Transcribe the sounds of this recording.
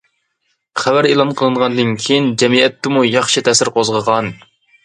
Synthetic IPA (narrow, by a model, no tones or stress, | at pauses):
χævæɾelˠɑnqʰəlˠɨɴʁɑnd̪ɨnkʲʰejind͡ʒɛmiɛt̪ːɪmujɑχʃɨt̪ʰɛsɪɾqʰozʁəʁɑn